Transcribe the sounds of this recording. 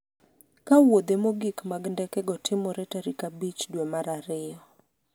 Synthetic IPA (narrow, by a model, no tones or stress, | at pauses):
kawod̪emoɡikmaɡndɛkɛɡɔtʰɪmɔɾɛtaɾikabit͡ʃdwemaɾaɾɪɔ